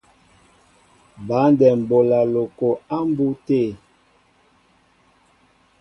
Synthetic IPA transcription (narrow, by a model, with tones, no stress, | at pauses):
ba˨˦ndɛ˨m̩˨bo˨la˨lo˨ko˨a˦mbu˦te˦˨